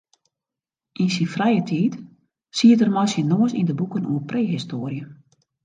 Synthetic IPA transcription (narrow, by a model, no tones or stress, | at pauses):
ʔinsinfrɛjətʰiːt | siətərmɔjsənoəsḭndəbukənuəpreːɦistoːrjə